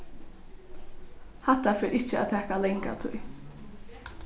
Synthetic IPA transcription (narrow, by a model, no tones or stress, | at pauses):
hɛt̪ːafɪːɾɪt͡ʃɪa̰t̪ʰɛːhkalɛŋka̰t̪ʰṵj